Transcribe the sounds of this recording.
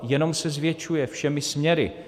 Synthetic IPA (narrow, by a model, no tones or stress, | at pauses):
jɛno̞msɛzvjɛt͡ʃujɛfʃɛmɪsmɲɛɾɪ̰